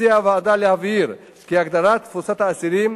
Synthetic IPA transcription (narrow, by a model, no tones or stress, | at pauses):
iavaːd̪aliaviɾ | kijakd̪aɾat̪fuɾsat̪aːsiɾi